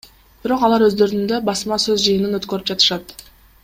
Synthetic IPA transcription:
b̥iɾo̞qɑlˠɑɾøzd̪ø̞ɾynd̪øbɑsmɑsøzd͡ʒɯjɯnɯnøt̪kø̞ɾyp̚d͡ʒɑt̪ɯ̥ʃɑt̪

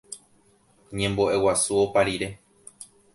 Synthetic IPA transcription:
ɲẽ̞mboʔe̞wasuopaɾiɾe̞

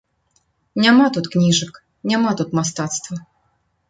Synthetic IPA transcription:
nʲamat̪ut̪knʲiʐɨk | nʲamat̪ut̪mast̪at̪st̪vɐ

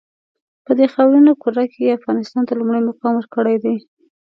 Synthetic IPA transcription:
pəd̪exawɾinokuɾakejeafɣɑnɪst̪ɑnt̪alumɽajmoqɑmwəɾkəɽajd̪aj

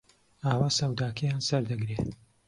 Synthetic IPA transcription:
aːwaːsɐwd̪aːkʰɐjaːnsɐɾd̪ɐɡɾeː

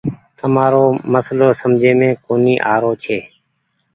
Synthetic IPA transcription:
t̪əmaːɾoːməsloːsəmd͡ʒʱeːmẽːkoːniːʔaːɾoːt͡ʃʰeː

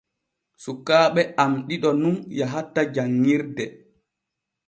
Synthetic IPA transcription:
sukːaːɓɛʔamɗiɗɔnunjaɦatːad͡ʒaŋːiɾdɛ

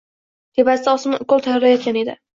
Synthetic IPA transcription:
t̪ʰebasɪd̪aɒsmɪkolˠt̪ʰajɒɾajɒt̪̚kʲane̞d̪ɪ

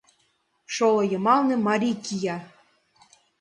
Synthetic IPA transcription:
ʃolˠŏjɤ̆mɑlˠnɤ̆mɑɾʲikijɑ

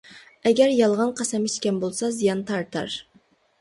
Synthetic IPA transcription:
ɛɡʲɛɾjɑlˠʁɑnqʰɑsɛmiʃkʲɛnbolˠsɑzijɑnt̪ʰɑɾt̪ɑ̰ɾ

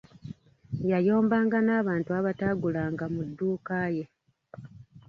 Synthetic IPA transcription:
jajo̞ːmbaːŋɡanaːβaːntuaβataɡulaːŋɡamudːuːkaːje̞

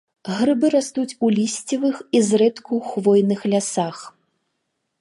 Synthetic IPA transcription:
ɣɾɨbɨɾast̪ut͡sʲulʲisʲt͡sʲivɨxizrɛt̪kʰuwxvɔjnɨxlʲasax

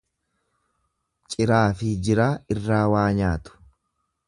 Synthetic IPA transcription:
t͡ʃʼɪɾaːfɪd͡ʒɪɾaːɪrːaːwaːɲaːt̪ʊ̥

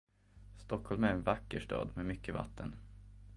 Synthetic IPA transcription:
st̪ɔkhɔlmæɾɛnvakːəʂʈɑ̰ːd̪mɛmʏkːəva̰t̪ʰːən

